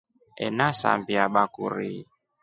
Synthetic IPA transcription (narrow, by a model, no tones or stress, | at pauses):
ɛnasa̰mbiaɓakuɾi